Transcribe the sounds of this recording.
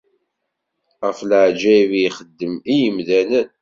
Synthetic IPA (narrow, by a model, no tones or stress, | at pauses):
ʁəfləʕd͡ʒæviχəd̪ːəmijəmðænən